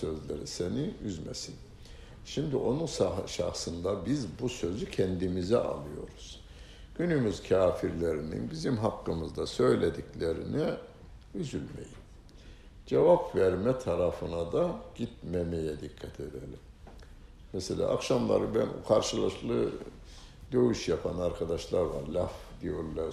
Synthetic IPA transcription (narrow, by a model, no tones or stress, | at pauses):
sø̞zlʲḛɾiseniyzmɛsin | ʃimd̪iʔo̞nunʃʃa̰xsɯnd̪abizbusø̞zycʰɛnd̪imizɛ̰ʔa̰lˠɯjo̞ɾuz̥ | ɟ̥ynymyzcʰaːfiɾlʲeɾinḭnbizimɦakːɯmɯzd̪asø̞jlʲed̪iclʲeɾḭnɛ | yzylʲme̞̰jim | d͡ʒevapvæɾmɛt̪ʰaɾafɯnad̪aɟ̥it̪̚memejɛd̪ikʰːat̪ʰed̪elʲim | mɛselʲa̰ːʔakʃamlˠa̰ɾɯbænṵkʰaɾʃɯlˠaʃlˠɯ | d̪ø̞jyʃjapʰanaɾkʰad̪aʃlˠaɾvaɾlʲafd̪̥ijo̞ɾlʲˠa